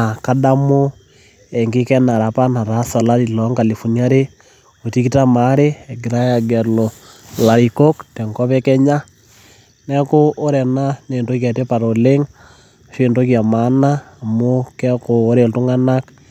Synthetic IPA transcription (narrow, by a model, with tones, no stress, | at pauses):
a˨ka˦da˦mo˦ | ɛ˨ŋɡɪ˦kɛ˦na˨ɾa˨pa˦na˨ɾa˦sa˨la˦ɾi˨lɔ˨˦ŋka˨li˨fu˨nja˦ɾe˦ | o˨ti˦ki˦ta˦ma˨˦ɾe˦ɛ˨ɡɪ˨ɾa˦ja˨ɡɛ˨lo˨ | la˨ɾi˨ko˦ktɛ˨ŋkɔ˦pɛ˦kɛ˦ɲa˦ | nɛ˦ko˦o˦ɾɛ˨na˦ne˨ndo˦ka˨te˦pa˨ɾo˨le˦ŋ˨ | ʃe˦˨ndo˦kja˨ma˨˦naː˦˨mo˦kɛ˦ko˨o˦ɾe˨ltʊ˦ŋa˦na˦k